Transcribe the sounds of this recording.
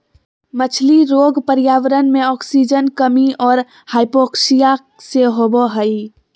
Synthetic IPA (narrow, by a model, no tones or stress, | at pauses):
mət͡ʃʰliɾoɡpəɾjaːʋəɾənmeɔksid͡ʒənkəmiʔɔːɾ | haɪpoksija | seɦobɔɦəj